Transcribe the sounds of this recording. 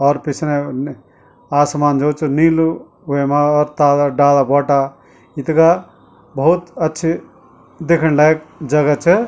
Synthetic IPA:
ɔːɾpisʰne | asmand͡ʒɔwt͡ʃʰunilu | uemaɔːɾt̪alaɖalabɔʈa | it̪ka | bəɦut̪ətːʃʰi | d̪ekʰənlajkd͡ʒəɡat͡ʃʰe

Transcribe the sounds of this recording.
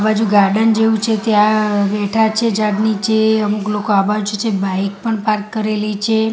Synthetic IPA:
bad͡ʒuɡaɾɖənd͡ʒeʋũt͡ʃʰet̪eabɛʈʰat͡ʃʰed͡ʒaɡnit͡ʃʰeəmuklokoabad͡ʒuut͡ʃʰebaik̚pəɳpaɾkːəɾelit͡ʃʰe

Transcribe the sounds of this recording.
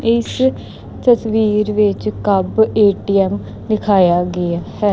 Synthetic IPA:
ɪs | t̪əsʋiːɾʋɪt͡ʃkəbeːʈiːɛːm | nɪkʰaːjaːɡɪaːhɛː

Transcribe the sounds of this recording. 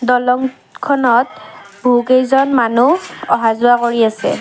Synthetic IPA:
dɔlɔŋ | kʰɔnɔt̚bʱukejzɔnmanuɔ̰ɦazʊwakoɹiasɛ̰

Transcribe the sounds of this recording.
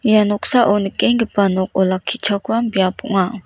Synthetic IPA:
janɔksaʔɔnikɛŋɡəpanɔk̚ɔlakʰit͡ʃʰakuɾambijapɔ̰ʔŋa

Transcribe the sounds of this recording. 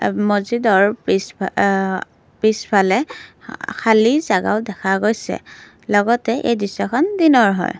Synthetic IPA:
mozidɔɹis | pispʰalɛ | kʰalizaɡa̰ʊdɛkʰaɡojsɛ̰ | lɔɡɔtɛʔejdisɔkʰɔndinɔɹɦɔ̰j

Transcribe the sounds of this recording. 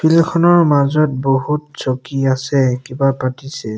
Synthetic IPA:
pʰilkʰɔnɔɹmazɔt̚boɦutsokiasɛkibapatisɛ

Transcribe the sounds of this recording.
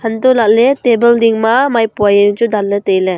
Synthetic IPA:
hantɔlaʔ̚letebeldiŋmamajpuajeŋd͡ʒudalletejle

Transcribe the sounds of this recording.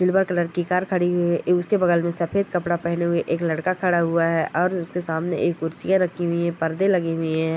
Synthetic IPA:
d͡ʒɪlbəɾkɐləɾkikaːɾkʰɐɽiɦʊiʊskebɐɡəlmẽsɐpʰeːd̪̚kɐpɽapɛɦneɦʊeʔeːklɐɽkakʰɐɽaɦʊaɦɛʔɔːɾʊskesaːmneʔeːkʊɾsijãɾɐkʰiɦʊiɦɛ̃pɐɾd̪elɐɡiɦʊiɦɛ̃ː

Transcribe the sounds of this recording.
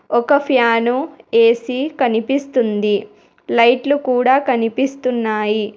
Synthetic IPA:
ɔkɐpʰjaːnue̞ːsikɐnipist̪und̪i | lɐjʈlukuːɽaːkɐnipist̪unːaːji

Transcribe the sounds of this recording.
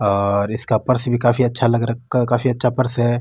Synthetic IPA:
ɔːɾɪskapɐɾsbʱikaːfiɐtːʃʰalɐɡɾɐkakaːfiɐtːʃʰapɐɾsɦɛː

